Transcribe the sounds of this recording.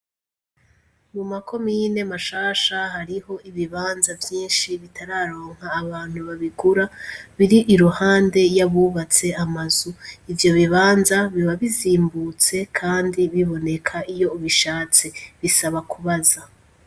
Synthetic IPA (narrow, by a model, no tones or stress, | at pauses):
mumakʰo̞miːne̞maʃaːʃaɦaɾiho̞iβiβaːnzavjiːnʃiβitʰaɾaɾo̞ːŋ̥haːβaːn̥huβaβiɡuɾaβiɾiʔiɾuhaːnde̞jaβuːβat͡se̞amazuivjo̞βiβaːnzaβiβaβiziːmbut͡se̞kʰaːndiβiβo̞ne̞kʰaijo̞uβiʃaːt͡se̞βisaβakuβaza